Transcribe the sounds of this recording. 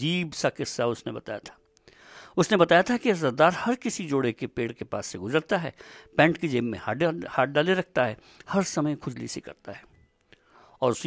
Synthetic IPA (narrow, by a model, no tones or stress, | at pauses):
d͡ʒiːbsakɪsːaʊsnebɐt̪aːjat̪ʰḁː | ʊsnebɐt̪aːjat̪ʰakiɐzɐɾd̪aːɾhɐɾkɪsid͡ʒoːɽekepeːɽkepa̰ːsːeɡʊzəɾt̪aɦɛ̰ːpɛ̃ːɳʈkid͡ʒeːmːẽahaːʈ̚ɖaːleɾɐk̚ʰt̪aɦɛː | hɐɾsɐməjkʰʊd͡ʒlḭsekɐ̰ɾt̪aɦɛː | ɔːɾʊs